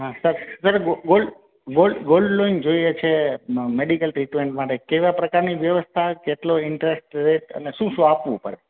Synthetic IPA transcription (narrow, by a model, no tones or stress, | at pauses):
ɦãsəɾsəɾɡoɡolɖ | ɡolɖɡolɖloind͡ʒoiet͡ʃʰemeɖikəlʈɾiʈmeɳʈmaʈekeʋapɾəkaɾniʋjəʋəst̪ʰakeʈloɪɳʈɾesʈɾeʈə̰neʃũʃũapʋṵ̃pəɾe